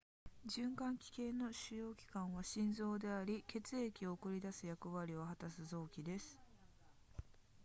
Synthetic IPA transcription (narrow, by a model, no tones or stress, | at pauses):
d͡ʑɨ̃ŋkãŋkʲi̥ke̞no̞ɕɨjo̞ːkʲi̥kãɰ̃βaɕĩnzo̞ːd̪e̞aɾʲike̞t͡sɨe̞kʲio̞ːkɯ̟ɾʲid̪asɨjakɯ̟βaɾʲio̞hat̪asɨzo̞ːkʲid̪e̞sɨ̥